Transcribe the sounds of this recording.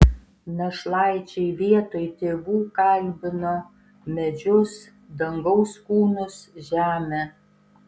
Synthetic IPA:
nʲɛʃlˠɑˑɪt͡ʃʲɛɪʋʲiɛt̪oːjt̪ʲeːʋuːkɐlʲbʲɪnoː | mʲɛd͡ʒʲʊs | d̪ɐŋɡɐʊskuːnʊsʒʲæːmʲe

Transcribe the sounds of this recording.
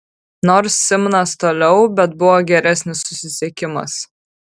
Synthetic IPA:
nɔːɾsːʲɪmnɐst̪oːlʲɛʊbʲɛt̪̚bʊʋoːɡʲɛɾʲæsʲnʲɪsːʊsʲɪsʲɛkʲɪmɐ̰s

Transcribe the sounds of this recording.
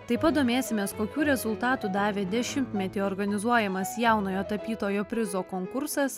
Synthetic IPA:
t̪ɐɪpɐt̪̚d̪oːmʲeːsʲɪmʲeːskoːkʲuːɾʲɛzʊlˠt̪ɑːt̪uːd̪ɑːʋʲeːd̪ʲɛʃʲɪmʲt̪ʲmʲɛt̪ʲiːɔɾɡɐnʲɪzuɔjɛmɐsjɛʊnoːjoːt̪ɐpʲiːt̪oːjoːpʲɾʲɪzoːkoːŋkʊɾsɐs

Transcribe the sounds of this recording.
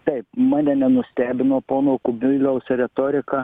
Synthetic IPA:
t̪ɐɪpmɑːnʲɛnʲɛnʊsʲt̪ʲæːbʲɪnoːpoːnoːkʊmʲɪlʲɛʊsʲɾʲɛt̪oːɾʲɪkɑ

